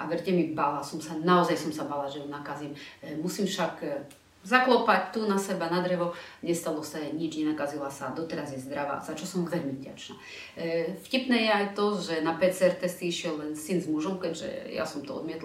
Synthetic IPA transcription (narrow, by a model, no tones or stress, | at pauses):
ʔaʋɛrɟɛmibalasɔmsanaɔzajsɔmsabalaʒɛjunakazimmusimfʃak | zaklɔpac̚t̪unasɛbanad̪ɾɛʋɔ | ɲɛst̪alɔsaɲid͡ʒɲɛnakazilasad̪ɔt̪ɛɾazjɛzd̪ɾaʋa̰ːz̥at͡ʃɔsɔmvɛʎmivɟa̰t͡ʃna̰ː | fcipnɛːjɛajt̪ɔʒɛnapɛt͡sɛɾt̪ɛst̪iiʃɪɛllɛnsinzmuʒɔmkɛɟʒɛ̰ja̰sɔmt̪ɔɔ̰d̪mɪɛt̪l